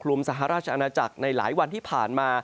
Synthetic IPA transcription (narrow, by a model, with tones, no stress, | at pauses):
kʰlu˧msa˨˩˦ɦa˨˦ɾaː˥˩t̚t͡ɕʰa˧ʔa˧naː˧t͡ɕa˨˩k̚na˧jla̰ː˩˦jwa˧nt̪ʰiː˥˩pʰa̰ː˨˩nmaː˧